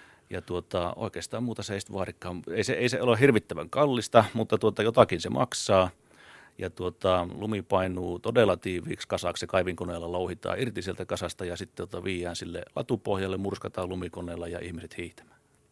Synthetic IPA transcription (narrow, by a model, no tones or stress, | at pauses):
jɑt̪uot̪ɑo̰ˑikeːst̪ɑːmmuːt̪ɑseeisi̥t̪ʋɑːrikːɑːmeiseeˑiseolehirʋit̪ːæʋæŋkɑlːist̪ɑmut̪ːɑt̪uot̪ɑjot̪ɑkinsemʔɑ̰ksɑː | jɑt̪uot̪ɑlumipɑinuːt̪odelɑt̪iːʋˑḭːkskɑsɑkssekɑiʋiŋkoneːlːɑlouhit̪ɑ̰ːirt̪isielt̪ækɑsɑst̪ɑjɑsit̪ːet̪ot̪ɑʋiːjˑæːnsilːḛlɑ̰t̪upohjɑlːemmurskɑt̪ɑːlumikoneːlːɑjɑ̰ʔihmiset̪hiːht̪æ̥m̥æ̥ː